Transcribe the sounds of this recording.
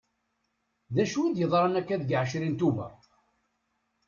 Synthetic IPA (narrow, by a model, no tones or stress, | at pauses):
ðæʃuid̪jəðˤɾˤɑnækːæðɡʕʃ̬ɾint̪uvæ̰